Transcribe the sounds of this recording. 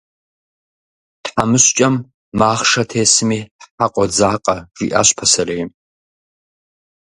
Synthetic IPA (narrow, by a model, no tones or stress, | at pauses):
tħamɨɕt͡ʃʼɐmː | aːχʂɐtʰeːsɨmiːħaqʷʼɔd͡zaːqʼɐʒ̥ḭːʔa̰ːɕpʰɐsɐrɐjm